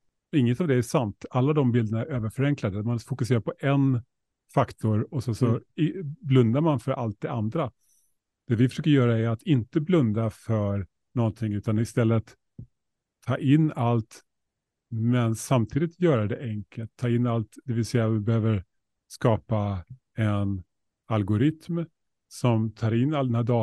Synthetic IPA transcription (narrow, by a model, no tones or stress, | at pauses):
ɪŋːət̪avd̪ɛæʂant̪alːad̪ɔmbɪld̪ənaæɾøːvəɾfœɾɛŋklad̪əmanfʊkɵs̬eːɾaɾpʰɔʔɛn | fakt̪ʊɾɔsɛnsɔ | blɵnd̪aɾmanfœɾʔa̰lt̪̚d̪ɛand̪ɾa | d̪̥ɛvɪfœ̥ʂøːkəɾjœːɾaæɾat̪ʰɪnt̪əblɵnd̪afœɾ | nɔnt̪ʰɪŋʉ̟ːt̪anɪst̪ɛlːət̪ | ɑ̰ːʔɪnːalt̪ | mɛnsamt̪ʰiːd̪ɪt̪ʰjœːɾad̪ɛʔɛŋkʰəlt̪ʰːɑːɪnːalt̪d̪̥ɛvɪlsɛjːavbɛhøːvəɾ | skɑːpa | ɛn | alɡʊɾɪt̪m | sɔmt̪ʰɑːɾɪnːalːd̪ɛnhæːɖɑː